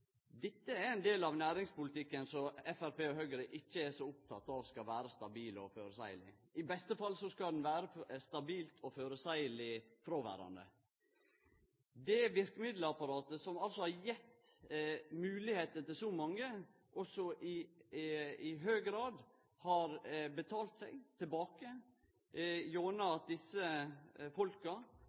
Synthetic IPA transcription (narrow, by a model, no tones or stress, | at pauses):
d̪ɛt̪ːəæɾɛɪnd̪eːlɑʋnæːɾɪŋspʊlɪt̪ʰɪkːənsɔɛfæɾpeːɔɦœɡəɾəʔɪçːəɛsɔʊp̚t̪ʰɑt̪ːɑʋskɑʋæːɾəst̪ɑbiːlɔ̰føːɾəsæɪlɪ̰ɪbɛst̪əfɑlːsɔskɑd̪ɛnʋæːɾəst̪ɑbiːlt̪ʰɔføːɾəsæɪəlɪfɾoʋæ̰ːɾɑ̰nd̪ə̰ | d̪ɛʋɪɾkəmɪd̪ləɑpɑɾɑːt̪əsɔmɑlsɔhɑɾjɛt̪ː | mʉːlɪheːt̪ət̪ɪlsɔmɑŋːə | ʔɔsɔʔɪ | ɪɦøːɡɾɑːd̪ | hɑɾbət̪ʰɑːlt̪sɛɪɡt̪ʰɪlbɑːkə | joːnɑɑt̪̚d̪ɪsːəfɔlkɑ